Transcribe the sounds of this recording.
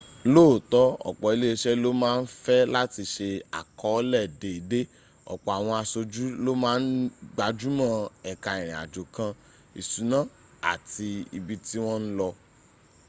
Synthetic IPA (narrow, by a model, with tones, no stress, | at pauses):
loː˦˨tɔ˦ɔ̰˨k͡pɔ˨i˨˧le˦e˧ʃɛ˦lo˦mãː˦n̩˦fɛ˦la˦ti˧ʃe˧a̰˨kɔ˨˦lɛ˦˨de˨i˨de˦ | ɔ̰˨k͡pɔ˨a˨w̃ɔ̃˧a˧so˧d͡ʒu˦lo˦mãː˦n̩˦ɡ͡ba˧d͡ʒu˦mã˦˨ɛ˨ka˨ĩ˨ɾ̃ĩ˨a̰˨d͡ʒo˨kã˧ | i˨su˨˦nã˦ | a̰˨ti˧i˧bi˧ti˦w̃ɔ̃˦n̩˦lɔ˧